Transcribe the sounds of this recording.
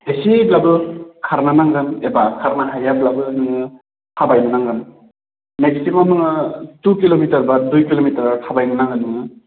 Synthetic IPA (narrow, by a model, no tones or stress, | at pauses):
esiblabɯkʰaɾnanaŋɡɯnebakʰaɾnaɦajablabɯɦɯŋɯ | tʰabajnɯnaŋɡɯn | meksimanɯŋɯtukilomitɐɾbadujkilomitɐɾtʰabajnɯnaŋɡɯnɯŋɯ